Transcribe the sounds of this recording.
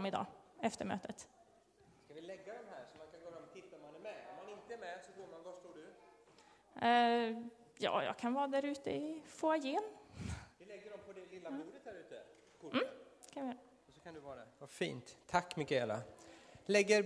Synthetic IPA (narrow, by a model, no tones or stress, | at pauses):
mɪd̪ɑ̰ːɛft̪əɾmø̰ːt̪ʰət̪ | skavɪlɛɡːad̪ɔmɦæːɾsɔmankʰanɡoːɾɛmɔt̪ʰɪt̪ːamanɛɾmɛɔmːanɪnt̪əɛɾmɛsɔɡoːɾmanvaʂt̪oːɖɵ | jɑ̰ːjɑ̰ːɡkʰanvɑːd̪æɾʉ̟ːt̪əɪfoːajeːndɪlɛɡːəɖɔmpʰɔd̪ɛlɪlːamuːɾət̪̚dæɾʉ̟ːt̪ə | kʰʊm̩ːkʰanʋɪɾ | ɔsɔkʰand̪ɵvɑːɾd̪ɛvafḭːnt̪ʰːakːmʏkːəɛla̰lɛɡːəɾ